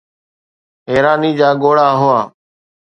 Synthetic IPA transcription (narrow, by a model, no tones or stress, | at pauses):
ɦeːɾaːniːd͡ʒaːɠoːɽaːɦʊaː